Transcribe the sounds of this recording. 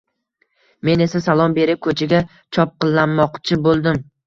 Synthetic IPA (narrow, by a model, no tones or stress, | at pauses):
me̞ne̞sasalˠɒmbe̞ɾɪp̚kʰɵt͡ʃʰaɡʲa | t͡ʃʰɒp̚qɨlˠːanːɒqt͡ʃʰɪbolˠd̪ɪm